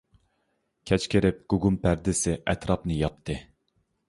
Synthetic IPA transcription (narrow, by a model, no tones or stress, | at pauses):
kʲʰɛt͡ʃkʲʰeɾɪp̚ɡ̥uɡumpʰæɾd̪ɪsɪʔɛt̪ɾɑpnɨjɑp̚t̪ʰːɨ